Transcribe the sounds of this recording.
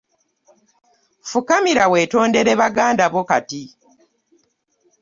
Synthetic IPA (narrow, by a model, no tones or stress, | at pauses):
fukamiɾawe̞ːto̞ːnde̞ɾeβaɡaːndaβoka̰ti